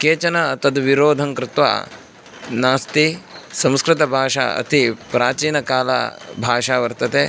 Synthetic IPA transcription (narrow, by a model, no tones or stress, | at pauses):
keːt͡ʃɐnɐt̪ɐd̪ʋiɾoːd̪ʱɐŋkɾɪt̪ʋa̰ː | naːst̪isɐ̃mskɾɪt̪ɐbʱaːʂa̰ːɐ̰t̪ipɾaːt͡ʃiːnɐkaːlɐ̰bʱaːʃaːʋɐɾt̪ɐt̪e